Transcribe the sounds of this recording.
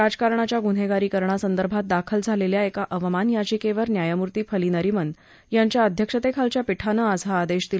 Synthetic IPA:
ad͡zkaɾɳat͡ɕjaɡun̤eɡaɾiːkəɾɳ̃asənd̪əɾbʱat̪̚d̪akʰəld͡zʱaleljaekaʔəʋmanjad͡ʑikeʋəɾnjajamuɾt̪iːfʰəliːnəɾimən | jaɲt͡ɕjaəd̪ʱjəkʂət̪ekʰalt͡ɕjapiʈʰanəasaːd̪eɕt̪il

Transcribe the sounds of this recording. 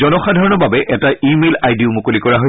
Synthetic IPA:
ɔnɔxadʱaɹɔnɔbabɛʔɛtaʔimelajdiʊmukolikɔɹaɦoj

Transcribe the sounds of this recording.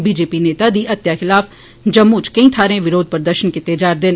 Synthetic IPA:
biːd͡ʒeːpiːneːt̪aːd̪iːʔət̪jaːxɪlaːf | d͡ʒəmːuːt͡ʃkə̃ĩːt̪ʰaːɾẽːʋɪɾoːd̪̚pəɾd̪əɾʃənkɪt̪eːd͡ʒaːɾd̪ɪn

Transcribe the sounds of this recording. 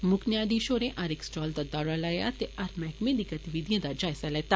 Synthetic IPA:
mʊknjaːd̪iːʃoːɾẽːʔaɾɪksʈɔːld̪aːd̪aːɽaːlaːja̰ːt̪eːaɾmɛːkmẽːd̪iːɡət̪ɪʋid̪ɪjãːd̪aːd͡ʒaːɪsalɛːt̪aː

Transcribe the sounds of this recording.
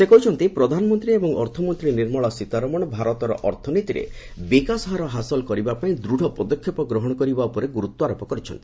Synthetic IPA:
sekɔɦut͡ʃʰɔnt̪ipɾɔd̪ʱanɔmɔnt̪ɾiebɔŋɔ̰ɾt̪ʰɔmɔnt̪ɾiniɾmɔɭɔsit̪aɾɔmɔɽ̃ɔbʱaɾɔt̪ɔɾɔ̰ʔɔɾt̪ʰɔnit̪iɾḛ | bikasɦaɾɔɦasɔlkɔɾibapaĩd̪ɾuɽ̤ʱɔpɔd̪ɔkʰjɔpɔɡɾɔɦɔɽ̃ɔkɔɾibaupɔɾeɡuɾut̪wɔaɾɔpɔkɔɾit͡ʃʰɔnt̪i̥

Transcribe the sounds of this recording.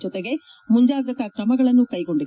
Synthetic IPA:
t͡ʃːɔt̪ːɐɣɐ | mʊɲd͡ʒaːðɐkːaːkɾɐmɐɣɐɭɐnukɐjkɔɳɖɯ

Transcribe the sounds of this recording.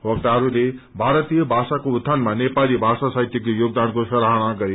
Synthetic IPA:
wɔk̚ʈ̪aɦəɾule | bʱaːɾət̪ijəbʱaːsakoːt̪ʰːanmãnepalibʱaːsasait̪jikojoːɡ̚d̪ankosɐɾaɦɽ̃ãɡəɾi

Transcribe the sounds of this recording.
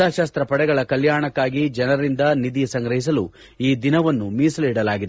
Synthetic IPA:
aːʃaːst̪ɾɐpɐɽɛɡɐɭɐkɐljaːɳɐkːaːɡid͡ʒɐnɐɾɾind̪ɐnid̪ijɐsɐŋɡɾɐɦis̬ɐlu | iːd̪inɐʋɐnːumiːsliːɽɐlaːɡid̪

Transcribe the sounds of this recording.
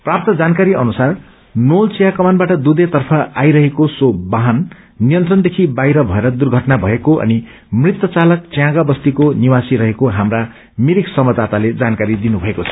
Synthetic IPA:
prap̚t̪ʌd͡zankaɾiʌnusar | nolt͡sijakʌmanbaʈʌd̪ud̪et̪ʌrpʰʌajɾʌɦekosobaɦʌnː | ijʌnt̪rʌnd̪ekʰibajɾʌbʱʌeɾʌd̪urɡʱʌʈnabʱʌekoʔʌ̰ni | mrit̪ːʌt͡salʌk̚t͡sjãɡabʌst̪ikoniwasiɾʌɦekoɦamra | miɾiksʌmʌd̪at̪aled͡zankaɾid̪inubʱʌekot͡sʰʌ̥

